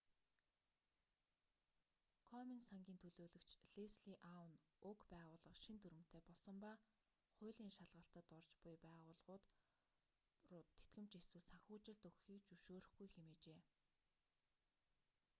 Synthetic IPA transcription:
kʰɔminsaŋɡʲiːnt̪ʰɵɮoːɮɵ̆kt͡ɕɮesɮiʔawn | ʊkpæːʁʊːɮə̆qʃint̪ʰɵɾɘ̆m̥t̪ʰeːpɔɮsɞ̆mpa | χʊ̟ːɮiːŋʃaɮʁə̆ɬt̪ə̆t̪ɔrt͡ɕpʊjpæːʁʊːɮʁʊːt̪ | ʊt̪ʰːe̥t̪̚ɡɘ̆m̥t͡ɕeswɘ̆ɮsaxʲʊːt͡ɕɪ̆ɮt̪ɵxxiːkt͡ɕɵʃoːɾɘ̆χɡujxemeːt͡ɕeː

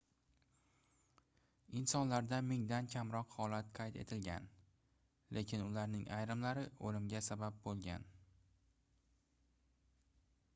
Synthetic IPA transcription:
ɪnsɒnlaɾd̪amɪŋd̪ankʲʰamɾɒqhɒlat̪qʰɑjt̪ʰe̞̰t̪ʰɪlɡʲa̰n | lʔe̞kʲʰɪnʊlaɾnɪŋʔajɾɪmlaɾɪolɪmɡʲasabap̚bolˠɡʲa̰n

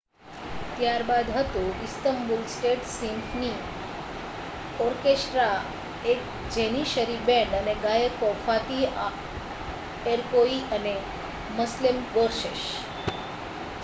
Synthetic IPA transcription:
t̪jaɾbad̪ɦət̪ũɪst̪əmbulsʈeʈsimfʰni | ɔɾkesʈɾa | ek̚ | d͡ʒeniʃəɾibɛ̃ɳɖəneɡajəkɔfat̪i | eɾkoiʔəne | məslimɡoɾʃeʃ

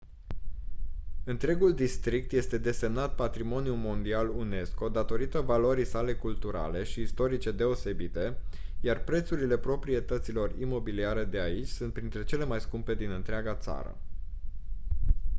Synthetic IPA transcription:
ɨnt̪ɾe̞ɡuld̪ist̪ɾik̚t̪je̞st̪e̞d̪e̞se̞mnat̪̚pat̪ɾimo̞njulmo̞nd̪ialune̞sko̞d̪at̪o̞ɾit̪əvaloɾisale̞kult̪uɾa̰le̞ʃiːst̪o̞ɾit͡ʃe̞d̪e̞o̞se̞bit̪e̞jarpɾe̞t̪suɾile̞pɾo̞pɾie̞t̪ət̪silo̞rimo̞biliaɾe̞d̪e̞ait͡ʃʲsunt̪̚pɾint̪ɾe̞t͡ʃe̞le̞majskumpe̞d̪inɨnt̪ɾeaɡat̪sa̰ɾə̰

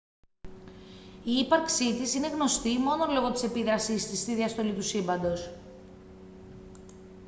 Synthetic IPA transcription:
iːpɐɾksit̪isine̞ɣno̞st̪imo̞no̞lo̞ɣo̞t̪i̥se̞piðɾɐsist̪ist̪iðiɐst̪o̞lit̪usimbɐnd̪o̞s

